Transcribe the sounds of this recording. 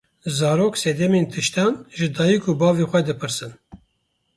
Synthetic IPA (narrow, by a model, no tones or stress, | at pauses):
zɑːɾoːksɛd̪ɛmeːnt̪ʰɨʃt̪ɑːnʒɨd̪ɑːjikʰubɑːveːxʷɛd̪ɨpʰɨɾsɨn